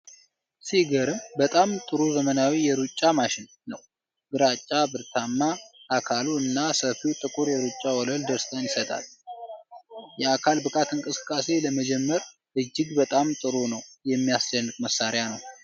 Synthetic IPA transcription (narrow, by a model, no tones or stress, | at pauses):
siɡəɾɨmbət̪ʼamt̪ʼɨɾuzəmənawijɛɾut͡ʃʼːamaʃɪnːəw | bɨɾat͡ʃʼːabɨɾt̪ʰamːaʔːkʰaluɨnːasəfit̪ʼɨkʼuɾjɛɾut͡ʃʼːawɔləld̪əɾst̪ʰʼəɲsət̪ʼa̰l | jɛakʰalbɨkʼat̪ɨŋkʼɨsɨ̥kʼːase̞ləməd͡ʒɛmːəɾ | ʔɨd͡ʒːɪɡbət̪ʼamt̪ʼɨɾunəwjɛmːijast͡ʃənːɨkʼməsːaɾjanəw